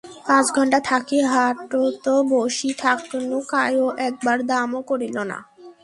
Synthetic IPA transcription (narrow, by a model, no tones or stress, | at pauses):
pãt͡ɕɡʱɔɳʈat̪ʰakeɦaʈot̪oboʃit̪ʰaknukajoʔɛk̚baɾd̪amokoɾilona̰